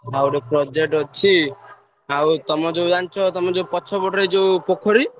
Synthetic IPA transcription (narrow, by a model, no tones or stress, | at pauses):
awɾepɾɔd͡ʒek̚ʈɔt͡ʃʰi | awt̪ɔmɔd͡ʒeud͡ʒant͡ʃʰɔt̪ɔmɔd͡ʒeupɔt͡ʃʰɔbɔʈɔɾed͡ʒewpokʰɔɾi